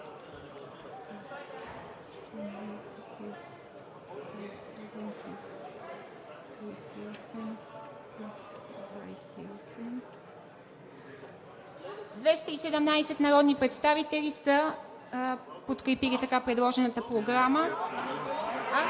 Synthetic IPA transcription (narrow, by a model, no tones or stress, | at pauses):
pɛs | t̪ɛnajsɛt̪pis | t̪ɾas | ɛd̪ɛmpis | t̪ɾijsiɔsɛm | pisd̪va̰jsɛiɔsɛm | d̪vɛst̪əisɛd̪ɛmnajsɛt̪nɐɾɔd̪nipɾɛt̪st̪avit̪ɛlisə | pot̪kɾɛpilit̪ɐkapɾɛd̪lˠɔʒɛnət̪əpɾoɡɾamə